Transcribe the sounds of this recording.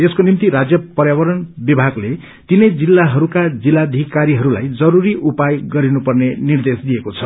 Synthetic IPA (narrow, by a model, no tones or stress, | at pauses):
eskonimt̪iɾad͡zjʌpʌrjawʌɾʌnbibʱaɡle | t̪inʌjd͡zilːaɦʌɾukad͡zilːad̪ʱikaɾiɦʌɾula̰jd͡zʌɾuɾiʔupajɡʌɾinupʌrnenird̪esd̪ijekot͡sʰʌ